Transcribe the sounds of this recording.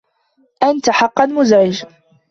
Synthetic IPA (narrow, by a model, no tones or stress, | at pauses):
ʔant̪aħɑqːɑnmʊzʕɪd͡ʒ